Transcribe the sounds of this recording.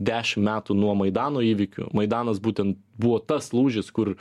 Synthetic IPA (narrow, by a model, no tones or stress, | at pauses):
d̪ʲæːʃʲɪmmʲæːt̪unuɔmɐɪd̪ɑːnoːiːʋʲɪkʲʊ̰mɐɪd̪ɑːnɐsbuːt̪ʲɛnt̪̚buʋoːt̪ɐslˠuːʒʲɪskʊr